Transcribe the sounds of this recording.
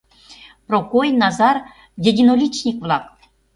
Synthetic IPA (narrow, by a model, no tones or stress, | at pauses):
prokojnɑzɑr | d̪ʲĕdʲinolʲit͡ɕnʲikvlˠɑk̚